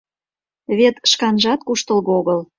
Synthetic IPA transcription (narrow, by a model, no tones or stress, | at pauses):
βet̪ʃkɑnʒɑt̪kuʃt̪ə̆lɣoɣəl